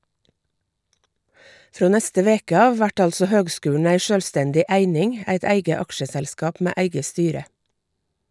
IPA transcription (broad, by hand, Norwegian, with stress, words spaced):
ˈfɾoː ˈnɛstə ˈʋeːkə ˈɑːʋ ˈʋæʈ ˈɑlsɔ ˈhøːɡˌskʉːɳ̩ ˈæɪ ˈʃøːlˌstɛndɪ ˈæɪnɪŋ ˈæɪt ˈæɪɡə ˈɑkʃəˌsɛlskɑːp ˈmeː ˈæɪɡə ˈstyːɾə